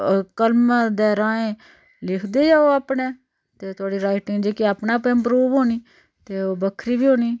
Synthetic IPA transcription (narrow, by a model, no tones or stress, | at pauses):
kəlmd̪ɛːɾãːẽː | lɪkʰd̪eːd͡ʒaːoːaːpɳeː | t̪eːt̪ʰʊaːɽiːɾaːɪʈɪŋɡd͡ʒeːkiaːpnãːpẽːmpɾuːʋɦoːniː | t̪eːoːbəkʰɾiːbiːɦoːniː